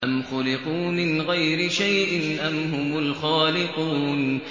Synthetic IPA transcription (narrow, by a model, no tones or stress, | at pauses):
ʔamxʊlɪquːmɪnɣajɾɪʃajʔɪnʔamhʊmʊlxaːlɪquːn